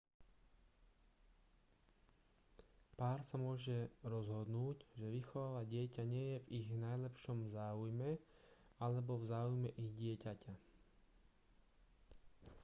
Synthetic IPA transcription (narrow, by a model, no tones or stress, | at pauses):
paːɾsamʊɔʒɛɾɔzɦɔd̪nuːɟʒɛʋixɔʋaːʋaɟɪɛcaɲɪɛjɛviɣnajlɛpʃɔmzaːujmɛ | alɛbɔvzaːujmɛʔiɣɟɪɛcacʰa